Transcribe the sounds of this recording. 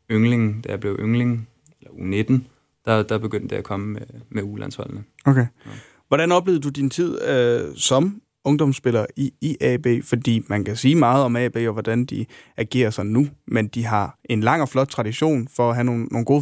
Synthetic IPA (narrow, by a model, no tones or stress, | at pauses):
øŋleŋ̩d̥æjab̥le̝ʊʔøŋle̝ŋ | elɐuned̥n̩ | d̥ɑd̥ɑ̈b̥e̝ɡ̥øn̰d̥d̥eækʰɒ̽məmemeulæ̰nshɒ̽l̰n̩əokʰe | ʋɒɾænɒ̽b̥le̝ːðˠd̥ud̥int͡sʰið̞̰ˠøsɒ̽m | ɔ̽ŋd̥ɒ̽msb̥e̝lɐːiːʔɛb̥e̝̰ːfɒ̽d̥ḭːmænkʰæsiːmɑ̈ːð̞̩ˠɒ̽mɛ̰b̥e̝̰ːɒ̽ʋɒd̥ænd̥iæɡ̥e̝̰ːɐsɒ̽nnːumend̥iɦɑ̈e̝nlɑ̈ŋ̰ɒ̽flɒ̽d̥̚t͡sʰʁɑ̈d̥iɕo̝̰ːnfɒ̽æɦæno̝ːnːo̝ːnɡ̥o̝ː